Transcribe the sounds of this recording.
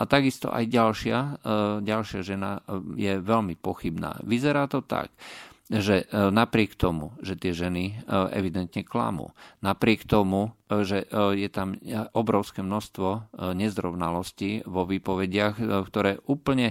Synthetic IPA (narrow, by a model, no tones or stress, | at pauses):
at̪aɡist̪ɔ̰ʔa̰jɟalʃɪaɟalʃɪaʒɛnajɛʋɛʎmipɔxibna̰ːʋizɛɾaːt̪ɔt̪a̰kʒɛnapɾɪɛkt̪ɔmṵʒɛt̪ɪɛʒɛniɛ̰ʋid̪ɛnt̪ɲɛkla̰mṵːnapɾɪɛkt̪ɔmuʒɛjɛt̪amʔɔbɾɔʊskɛmnɔʃst̪ʋɔɲɛzɾɔʊnalɔsciʋɔʋiːpɔʋɛɟɪaxkt̪ɔɾɛːʔuːpl̩ɲɛ